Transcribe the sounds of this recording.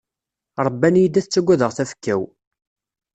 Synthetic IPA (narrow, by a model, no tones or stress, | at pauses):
ɾˤəbːænjid̪æθt͡sːæɡʷːæðəʁθæfə̥kːæw